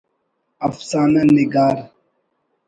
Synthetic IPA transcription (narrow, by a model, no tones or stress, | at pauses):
ɐfsaːnaniɡaːɾ